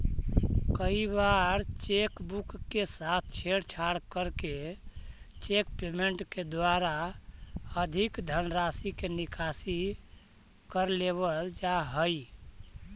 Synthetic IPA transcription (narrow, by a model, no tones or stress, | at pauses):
kəibaɾt͡ʃekbukːesat̪ʰt͡ʃʰeɽt͡ʃʰaɽkəɾke | t͡ʃekpemeɳʈked̪waɾa | əd̪ʱikd̪ʱənɾasikenikʰasi | kəɾleβəld͡ʒaɦəj